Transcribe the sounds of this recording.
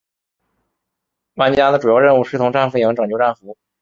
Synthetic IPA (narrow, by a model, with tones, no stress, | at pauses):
wa˥˩nt͡ɕi˥ja˥d̪ə˨˩ʈ͡ʂu˨˩jɑ˥ʊɻə˥˧nu˥˧ʂɻ̩˥˩t̪ʰʊ˧˥ŋʈ͡ʂa˥˧nfu˥˩jɤ˧˥ŋʈ͡ʂɤ˨˩ŋt͡ɕjʈ͡ʂa˥˩nfu˧˥